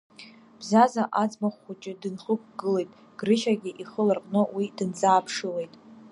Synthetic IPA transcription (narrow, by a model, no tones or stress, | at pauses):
b̥zazaʔad͡zmaχʷːut͡ʃʼɪdɨnχək̚ʷʰɡɨle̞jtʼ | ɡ̥rɨʃaɡʲiʔiχəlarqʼnɨwidɨnd͡zaːpʰʂɨle̞jtʼ